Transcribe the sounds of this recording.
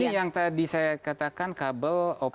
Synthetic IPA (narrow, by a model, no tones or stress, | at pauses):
ijaŋt̪adisajakat̪akankabəlɔ